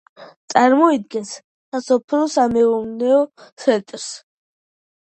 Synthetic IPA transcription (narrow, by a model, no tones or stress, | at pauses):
t̪sʼaɾmɔid̪̚ɡɛns | sasɔpʰɾɔsamɛumnɛɔsɛt̪ʼɾs